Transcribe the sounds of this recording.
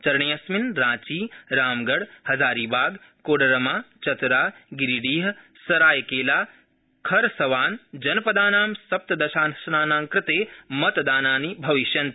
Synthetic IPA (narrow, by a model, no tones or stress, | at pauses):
t͡ʃɐɾɐɳijɐsminɾãːt͡ʃiːɾaːmɡɐɽhɐzaːɾiːbaːɡ | koːɽɐɾɐmaːt͡ʃɐt̪ɾaːɡiɾiɖiːɦɐ | sɐɾaːjkeːlaː | kʰɐɾsɐʋaːnd͡ʒɐnpɐd̪aːnaːmsɐp̚t̪ɐd̪ɐʃaːnʃɐnaːnaːmkɾɪt̪eːmɐt̪d̪aːnaːnibʱɐʋiʃjɐnt̪